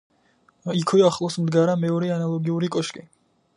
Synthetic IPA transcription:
ikʰwiaχlˠɔsmd̪ɡaɾamɛɔɾɛanalˠɔɡiuɾikʼɔʃkʼi

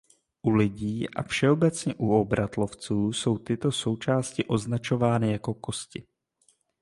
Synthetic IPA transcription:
ʔulɪɟiːʔa̰fʃɛo̞bɛt͡sɲɛʔuo̞bɾat̪lo̞ft͡suːso̞wt̪ɪt̪o̞so̞wt͡ʃaːscɪʔo̞znat͡ʃo̞vaːnɪjako̞ko̞scɪ

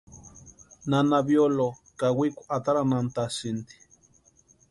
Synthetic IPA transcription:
nanaβjolokawikʷat̪aɾanant̪asint̪i̥

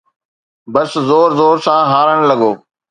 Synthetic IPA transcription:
bəszoːɾzoːɾsãːɦaːɾəɽ̃lɐɡɠoː

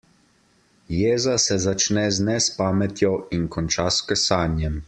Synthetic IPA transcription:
jeːzasɛzat͡ʃnɛznɛspaːmɛt̪jɔinkɔnt͡ʃaskɛsaːnjɛm

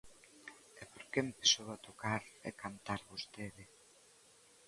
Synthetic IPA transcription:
ɛpoɾkempesowat̪okaɾɛ̰kant̪aɾβost̪eðɪ

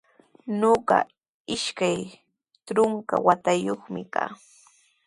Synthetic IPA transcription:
ɲoɢɑ̰ | ɪʃkaj | tɾʊŋka̰wat̪ajoχmɪka̰ː

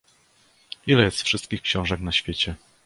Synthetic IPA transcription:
ilɛjɛst̪fʂɘst̪̚kʲixkɕɔ̃w̃ʐɛknaɕfʲjet͡ɕɛ

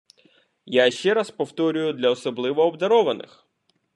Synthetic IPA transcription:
jaʃt͡ʃɛɾaspɔwt̪ɔɾʲʊjʊd̪lʲɐɔsɔblˠɪʋɔːbd̪ɐɾɔʋɐnɪ̰x

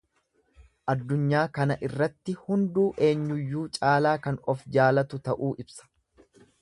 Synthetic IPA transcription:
ʔɐd̪ːʊɲːaːkɐnɐʔɪrːɐt̪ːɪhʊnd̪uːʔe̞ːɲːʊjːuːt͡ʃʼaːlaːkɐnɔfd͡ʒaːlɐt̪ʊt̪ɐʔuːʔɪbsɐ̥

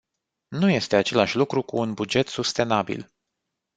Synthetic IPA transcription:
nuje̞st̪e̞at͡ʃe̞laʃʲlukɾukuːnbud͡ʒe̞t̪sust̪e̞nabḭl

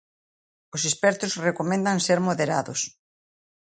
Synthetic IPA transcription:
ʊsespɛɾt̪ʊsrekomẽnd̪aŋseɾmoðeɾaðʊs

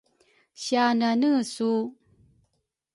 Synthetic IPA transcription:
ɕiananəsu

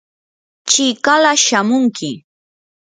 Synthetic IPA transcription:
t͡ʃɪkalaʃamʊŋkɪ

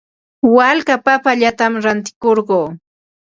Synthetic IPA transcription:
walkapapaʎat̪amɾant̪ɪ̥koɾɢoː

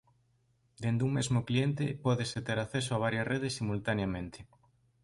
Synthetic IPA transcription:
d̪end̪uŋmezmʊklient̪ɪpɔðeset̪eɾaθes̬oaβ̞aɾjɐsreðesːimult̪anjamẽnt̪ɪ̥

